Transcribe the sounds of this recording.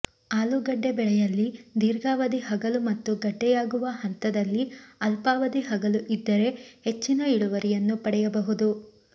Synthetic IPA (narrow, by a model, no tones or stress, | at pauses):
aːluɡɐɖːebɛɭɛjɐlːid̪iːɾɡaːʋɐd̪iɦɐɡɐlumɐt̪ːuɡɐɖːɛjaːɡuʋɐɦɐnt̪ɐd̪ɐlːiɐlpaːʋɐd̪iɦɐɡɐluʔid̪ːɐɾe̞het͡ʃːinɐiɽuʋɐɾijɐnːupɐɽɛjɐbɐɦud̪u